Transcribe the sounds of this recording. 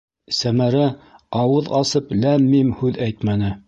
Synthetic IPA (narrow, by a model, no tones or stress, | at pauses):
sæmæɾæɑwɤðɑsɤplæmːimhʉðæjt̪mænɘ